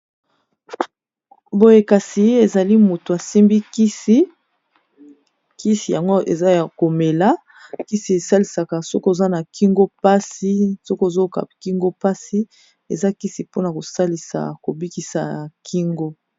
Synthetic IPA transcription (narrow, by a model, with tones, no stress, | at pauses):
bo˦je˦ka˨si˨e˨za˨li˦mo˨to˨a˨si˦mbi˦ki˦si˦ | ki˦si˨ja˨ŋɡo˦ʔḛ˨za˦˨ko˨me˨la˦ | ki˦si˨e˨sa˦li˨sa˨ka˨so˦ko˦e˨za˦na˨kʰi˦ŋɡo˦pa˦si˦so˦ko˦e˨zo˦ka̰˨ki˦ŋɡo˦pa˦si˦ | ḛ˨za˦ki˦si˨po˦na˨ko˨sa˦li˨sa̰˨ko˨bi˦ki˨sa̰˨kʰi˦ŋɡo˦